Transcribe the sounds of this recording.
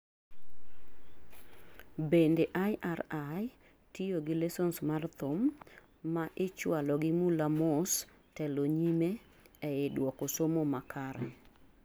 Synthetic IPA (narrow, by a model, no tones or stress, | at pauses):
bendeʔajʔaɾaj | tijoɡɪlɛsɔnsmart̪ʊmː | aʔɪt͡ʃwalɔɡɪmulamos | tɛloɲime | ɛɪdwɔkosomomakʰaɾɛ